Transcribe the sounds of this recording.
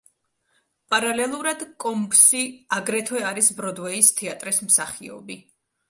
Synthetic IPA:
pʼaɾalɛlˠuɾad̪kʼɔmbsiaɡɾɛt̪ʰwɛaɾisbɾɔd̪wɛist̪ʰɛat̪ʼɾismsaχḭɔ̰bi

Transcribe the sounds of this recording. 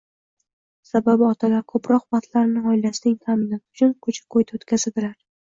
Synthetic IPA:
sababɪɒt̪ʰalaɾkʰɵpɾɒqvɑχt̪ʰlaɾnɪɒɪlast̪ɪŋt̪ʰamɪnat̪ɪʊt͡ʃʰʊnkʰɵt͡ʃʰɪ̥kʰojt̪ʰaot̪kʲʰazɪld̪ɪlaɾ

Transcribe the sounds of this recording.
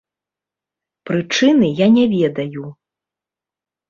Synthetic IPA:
pɾɨt͡ʂɨnɨjanʲɛvʲɛd̪ɐju

